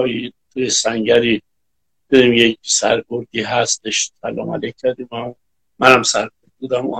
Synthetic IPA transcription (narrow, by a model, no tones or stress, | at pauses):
jit̪ʰujesæŋɟæɾiː | d̪̥eɾimjec̚sæɾkoɾd̪iːɦæst̪eʃt̪ʰælɒ̰mæ̰lec̚ʰcʰːæɾd̪im | mænhæmsæɾkoɾd̪̚buːd̪æmṵː